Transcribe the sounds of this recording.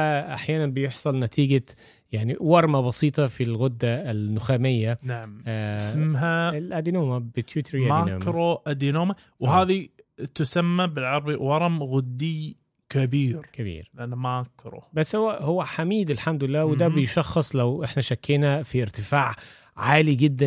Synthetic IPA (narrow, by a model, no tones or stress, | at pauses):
æʔaħjaːnanbɪjeħsˤɑlnæt̪ʰiːɡa | jaʕniwɑɾˤmabɑsiːt̪ˤɑfilɣʊd̪ːalːʊxaːmɪjːanaʕmsmɦalʔæd̪inoːmabɪt̪ʰjuːt̪ʰeɾʔæmanoːmɾoʔad̪inoːma | whaːðit̪ʊsamːabɪlʕɑɾˤbiwɑɾˤɑmɣʊd̪ːi | kabiːɾkabḭːɾlʔanːamaːkɾo̰bæsːhowːæhowːæħamiːd̪ɪlħamd̪ʊlɪlːæːwed̪æbejʃɑxːɑsˤlæwʔeħnæʃækːeːnæfiɪɾt̪ɪfaːʕ | ʕaːliɡɪd̪ːæn